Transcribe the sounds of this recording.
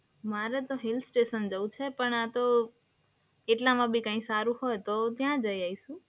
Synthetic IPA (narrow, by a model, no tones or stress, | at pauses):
maɾet̪oɦɪlsʈeʃənd͡ʒəʋũt͡ʃʰepəɳat̪o | eʈlamãbʱikãĩsaɾũhojt̪ot̪jãd͡ʒəjaiʃũ